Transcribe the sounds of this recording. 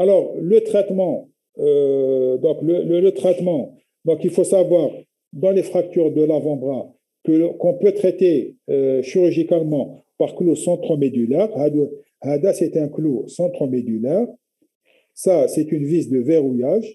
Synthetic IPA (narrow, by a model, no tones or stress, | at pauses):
alɔʁlət̪χɛt̪mɑ̃ | d̪ɔ̃klələlət̪χɛt̪mɑ̃ | d̪ɔ̃kilfosavwaːʁ | d̪ɑ̃lefχak̚t̪yʁd̪əlavɑ̃b̪ʁa | kəkɔ̃pøt̪χɛt̪e | ʃyʁyʒikalmɑ̃paʁklosɑ̃t̪χomed̪ylɛʁhad̪ | had̪asɛt̪ɛ̃klosɑ̃t̪χomed̪ylɛʁ | sasɛt̪ynvizd̪əveʁujaʒ